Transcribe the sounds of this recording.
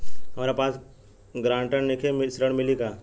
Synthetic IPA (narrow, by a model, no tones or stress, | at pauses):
ɦɐmaːɾepaːs | ɡɾãːɳʈənnɪkʰemsɾəɽ̃mɪlikaː